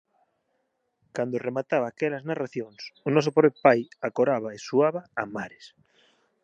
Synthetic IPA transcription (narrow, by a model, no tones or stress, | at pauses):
kand̪oremat̪aβaːkɛlaznaraθjoŋsʊnɔsʊpɔβpajakoɾaβaesuaβaamaɾes